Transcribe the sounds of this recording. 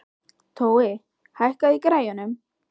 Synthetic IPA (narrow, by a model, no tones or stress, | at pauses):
t̪ʰowe | hahkaikɾajɔnɛm